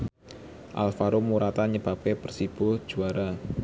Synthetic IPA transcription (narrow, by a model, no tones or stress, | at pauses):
ʔa̰lfaɾomuɾat̪aɲəb̥a̤p̚kepərsib̥ʊhʒ̥uaɾa